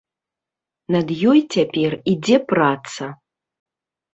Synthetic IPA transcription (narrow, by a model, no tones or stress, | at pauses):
nɐd̪jɔjt͡sʲapʲɛrid͡zʲɛprat̪sɐ